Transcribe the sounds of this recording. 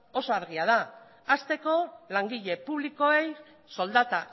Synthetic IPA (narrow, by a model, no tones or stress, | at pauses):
o̞so̞aɾɣ̞iaðaː | st̪e̞ko̞laŋɡiʎe̞puβliko̞e̞j | so̞ld̪at̪a